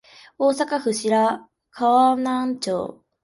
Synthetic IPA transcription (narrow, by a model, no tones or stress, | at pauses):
oːsakaɸɯ̟ɕiɾa | kʰaβanãɲt͡ɕo̰ː